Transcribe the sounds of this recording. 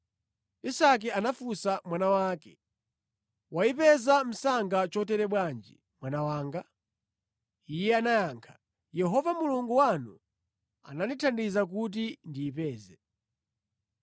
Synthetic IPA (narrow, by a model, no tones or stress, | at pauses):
isak̬ɛanafusamwanawaːkɛ | waipɛzam̩saŋɡat͡ʃɔtɛɾɛɓwand͡ʒḭ | mwanawaːŋɡa | ijɛanajaːŋkʰḁ | jɛɦɔvamuluŋɡuwanu | a̰nanitʰandizak̬ut̬indiːpɛːzɛ